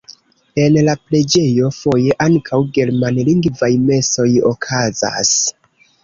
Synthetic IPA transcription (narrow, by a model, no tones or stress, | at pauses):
e̞nlaple̞d͡ʒe̞jo̞fo̞je̞ʔaŋkʰawɡe̞ɾmanliŋɡvajme̞so̞jo̰kʰaza̰s